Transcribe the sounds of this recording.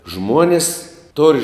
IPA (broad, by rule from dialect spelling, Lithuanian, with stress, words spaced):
ˈʒmuɔnʲɪs toːrʲ